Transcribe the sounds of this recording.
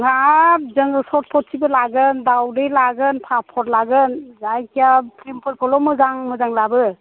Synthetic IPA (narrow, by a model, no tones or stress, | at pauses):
ɡap̚zɯŋɡɯsɔt̚pʰɔt̚sʰibɯlaɡɯndawdɯjlaɡɯnpʰapʰɔt̚laɡɯnzajkʰijapʰɾimpʰɯɾkʰɔlɔmɯzaŋmɯzaŋlabɯ